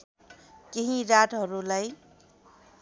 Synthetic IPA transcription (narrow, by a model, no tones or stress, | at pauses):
keɦĩɾaʈɦʌɾulaj